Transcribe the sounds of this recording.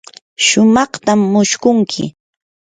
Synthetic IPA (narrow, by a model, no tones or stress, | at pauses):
ʃʊmɑχt̪amːʊʃkʊŋkʰɪ̰